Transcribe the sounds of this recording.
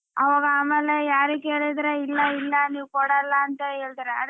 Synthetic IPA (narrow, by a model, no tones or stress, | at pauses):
ɐʋaːɡɐaːmeːlejaːɾikːeːɭid̪ɾɐɪlːɐɪlːɐniːʋkoːɽɐlːaɐnt̪ɐeːɭt̪iɾeɐ̰